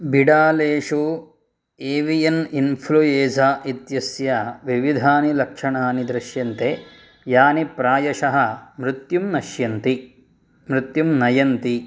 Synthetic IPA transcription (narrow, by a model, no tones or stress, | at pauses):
biɽaːleːʂu | eːʋijɐninpʰlujeːsaːʔit̪jɐsjɐʋiʋid̪ʱaːnilɐkʂɐɳaːnid̪ɾɪʃjɐnt̪e | jaːnipɾaːjɐʃɐɦɐ̆mɾut̪jumnɐʃjɐnt̪i | mɾut̪jumnɐjɐnt̪i